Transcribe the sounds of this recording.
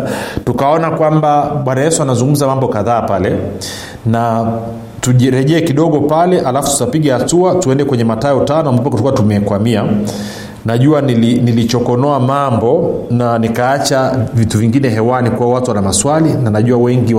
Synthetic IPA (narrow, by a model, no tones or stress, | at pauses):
tukaɔnakwambaɓwanajɛsuanazuŋɡum̩zamambɔkaðaːpalɛ | na | tuʄiɾɛʄɛːkiɗɔɠɔpalɛʔalafu̥tu̥tapiɠɛhatuatuɛndɛkwɛɲɛmataɛutanɔambupakutɔkuatumɛkwamia | naʄuanilinilit͡ʃɔkɔnɔamambɔnanikaat͡ʃavituviŋɡinɛɦɛwanikuwawatuwanamaswalinanaʄuawɛŋɡi